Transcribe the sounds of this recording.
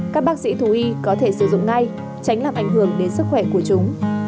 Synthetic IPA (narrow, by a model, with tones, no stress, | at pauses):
kaː˦˥k̚ɓaː˦˥k̚sḭ˧˥t̪ʰu˧˩ʔi˧kɔ˨˦t̪ʰe˧˩sɨ˧˩zʊ̰˧˨ŋ͡mŋa˧j | t͡ɕa˨˦ŋ̟laː˨˩mʔa˧˩jŋ̟ɦɨ˧˩əŋɗe˨˦nsɨ˦˥k̚xwɛ˧˩ku˧˩ət͡ɕʊ˨˦ŋ͡m